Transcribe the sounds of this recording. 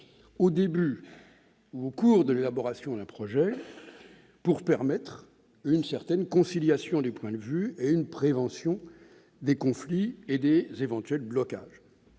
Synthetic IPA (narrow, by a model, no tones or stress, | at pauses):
od̪eby | uokuːʁd̪əlelabɔʁasjɔ̃d̪ɛ̃pχɔʒɛ | puʁpɛʁmɛt̪χ | ynsɛʁt̪ɛnkɔ̃siljasjɔ̃d̪epwɛ̃d̪əvyeynpχevɑ̃sjɔ̃ | d̪ekɔ̃flied̪ezevɑ̃t̪ɥɛlblɔka̰ːʒ